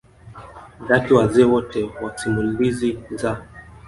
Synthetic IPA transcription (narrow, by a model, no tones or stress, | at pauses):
ðatiwazɛːwɔtɛwasimuliziza